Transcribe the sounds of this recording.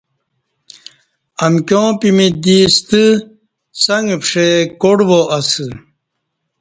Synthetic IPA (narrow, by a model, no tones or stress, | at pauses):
ɐnkjõːpimid̪iːst̪ɨ | sɐŋɡpʂekoɽʋoʔɐsɨ